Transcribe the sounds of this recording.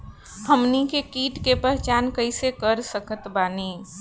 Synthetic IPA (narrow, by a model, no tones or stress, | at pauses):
həmnikekiːʈkepəɦt͡ʃaːnkəɪsekəɾsəkət̪baːni